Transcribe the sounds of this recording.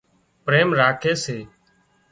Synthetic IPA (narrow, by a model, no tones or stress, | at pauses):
pɾeːmɾaːkʰeːseː